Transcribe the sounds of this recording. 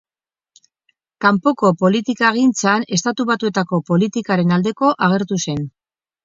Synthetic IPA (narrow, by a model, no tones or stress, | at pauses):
kampo̞ko̞po̞lit̪ikaeɣint͡sane̞st̪at̪uβ̞at̪ue̞t̪ako̞po̞lit̪ikaɾe̞nald̪e̞ko̞ʔaɣ̞e̞ɾt̪use̞n